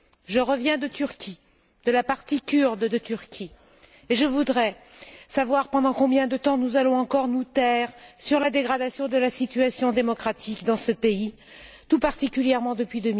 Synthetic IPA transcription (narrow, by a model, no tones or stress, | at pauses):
ʒəʁəvjɛ̃d̪ət̪yʁkʲʰi | d̪̥əlapaʁt̪ikʲyʁd̪d̪ət̪yʁkʲʰi | eʒəvud̪ʁɛsavwaʁpɑ̃d̪ɑ̃kɔ̃bjɛ̃d̪ət̪ɑ̃nuzalɔ̃ɑ̃kɔʁnut̪ɛʁsyʁlad̪eɡʁad̪asjɔ̃d̪əlasit̪yasjɔ̃d̪emɔkχat̪ʰikd̪ɑ̃səpei | t̪upaʁt̪ikʲyljɛʁmɑ̃d̪əpɥid̪əmi